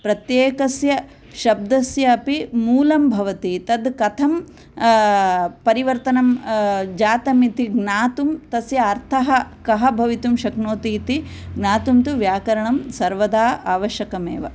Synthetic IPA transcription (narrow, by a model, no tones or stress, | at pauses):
pɾɐt̪jeːkɐsjɐ | ʃɐb̚d̪ɐsjɐːpimuːlɐmbʱɐʋɐt̪it̪ɐd̪kɐt̪ʰɐm | pɐɾiʋɐɾt̪ɐnɐmd͡ʒaːt̪ɐmit̪iɡnaːt̪umt̪ɐsjɐːɾt̪ʰɐɦɐkɐɦɐbʱɐʋit̪umʃɐknoːt̪iːt̪iɡnaːt̪umt̪uʋjaːkɐɾɐɳɐmsɐɾʋɐd̪aːaːʋɐʃjɐkɐmḛːʋɐ